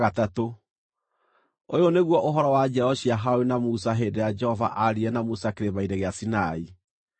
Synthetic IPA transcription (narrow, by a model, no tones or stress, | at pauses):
ɣatato | ojoneɣwɔʔoɦɔɾɔwad͡ʒɛɔɕiaɦawenamusaɦedɛad͡ʒɛhɔva̰ʔaɾiɛnamusakeɾeβaidɛɣeasinai